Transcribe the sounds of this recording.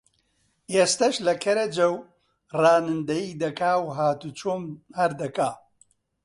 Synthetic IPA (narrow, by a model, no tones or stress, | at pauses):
eːst̪ɐʃlɐkʰɐɾɐd͡ʒɐw | raːnɨnd̪ɐjiːd̪ɐkaːwɦaːt̪ut͡ʃʰoːmhɐɾd̪ɐkaː